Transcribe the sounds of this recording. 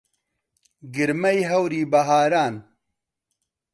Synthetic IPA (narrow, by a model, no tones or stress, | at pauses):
ɡɨɾmɐjɦɐwɾiːbɐɦaːɾaːn